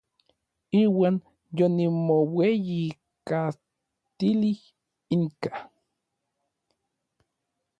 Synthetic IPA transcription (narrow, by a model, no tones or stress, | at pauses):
iːwaːn | jonimoweji | ka | t̪ilih | iŋka